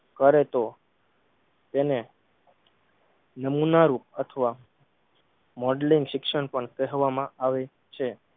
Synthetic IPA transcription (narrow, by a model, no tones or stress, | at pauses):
kəɾet̪o | t̪ene | nəmunaɾup̚ət̪ʰəʋa | mɔɖlĩŋɡʃɪkʃəɳpəɳkəɦʋamãʔaʋe | t͡ʃʰe